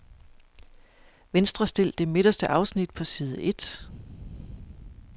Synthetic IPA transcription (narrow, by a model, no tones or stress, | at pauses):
ʋensd̥ʁɐsd̥e̝l̰d̥e̝meɾ̥ɐsd̥əʔɑ̈ʊsnid̥̚pʰɒ̽siːð̞ˠəʔe̝d̥